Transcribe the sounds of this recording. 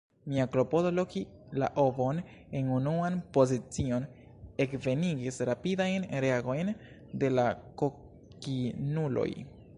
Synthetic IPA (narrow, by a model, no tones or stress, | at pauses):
miaklo̞po̞do̞lo̞ki | la̰ʔobo̞n | e̞nunuanpo̞zit͡sio̞n | e̞kve̞niɡisɾapidajnɾeaɡo̞jn | de̞lako | kinulo̞̰j